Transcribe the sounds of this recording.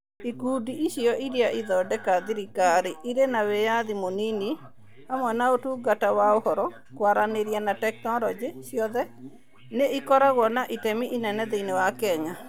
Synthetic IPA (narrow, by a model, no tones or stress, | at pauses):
ikudiiʃiɔʔiɾiaʔiðɔdɛkaðiɾikaɾɪʔiɾenawejaðimonini | amwɛnaotuɡatawaohɔɾɔ | kwaɾaneɾjanatɛk̚tɔɾɔd͡ʒɪʃjɔðɛ | neʔikɔɾaɣɔnaʔitɛmiʔinɛnɛðeinewakɛɲa